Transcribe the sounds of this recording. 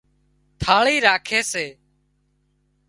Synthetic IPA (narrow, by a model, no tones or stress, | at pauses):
t̪ʰaːɭiːɾaːkʰeːseː